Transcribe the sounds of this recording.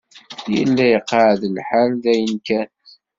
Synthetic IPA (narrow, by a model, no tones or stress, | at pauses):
jə̰lːæjəqːəʕðəlħəɾðæjənkænt